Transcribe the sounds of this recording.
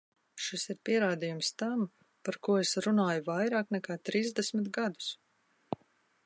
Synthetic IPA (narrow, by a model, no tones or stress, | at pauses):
ʃisiɾpiɛɾaːd̪ijumst̪am | paɾkuɔesɾunaːjuvajɾaːknɛkaːt̪ɾiːzd̪ɛsmit̪ɡad̪u̥s